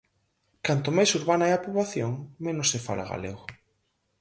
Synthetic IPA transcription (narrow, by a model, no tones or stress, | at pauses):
kant̪ʊmajsuɾβanaɛapuβlaθjoŋmẽnosːefa̰la̰ɣa̰lḛɣʊ